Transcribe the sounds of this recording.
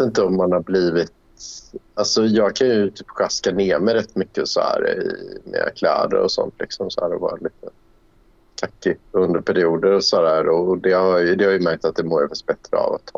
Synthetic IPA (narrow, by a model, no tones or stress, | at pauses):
t̪ɪnt̪əɔmːanhabliːvɪt̪ | alsɔjɑːɡ̚kʰanjɵt̪ʰyːpɧaskaneːmɛɾɛt̪ːmʏkːəsɔhæ̰ːɾɪmɛ̰a̰kʰlæ̰ːd̪ə̰ɾɔsɔ̰nt̪ʰlɪksɔmsɔhæːɾɔvɑ̰ːɾaliːt̪ʰə | t̪ʰakːɪɵnd̪əɾpʰæɾɪuːd̪əɾɔsɔd̪æːɾɔd̪ɛhajd̪ɛhaɾjɵmæɾk̚t̪at̪̚d̪ɛmoːɾɛfas̚bɛt̪ɾəa̰vat̪ʰːɑː